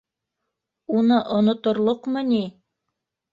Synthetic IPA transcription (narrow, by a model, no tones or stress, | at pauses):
unɤʔŏnŏt̪ŏɾlˠoqmɤni